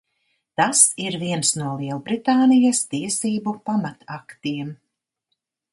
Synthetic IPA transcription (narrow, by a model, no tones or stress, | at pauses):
t̪asiɾviɛnsnuɔlˠiɛlˠbɾit̪aːnijast̪iɛsiːbupamat̪akt̪iɛm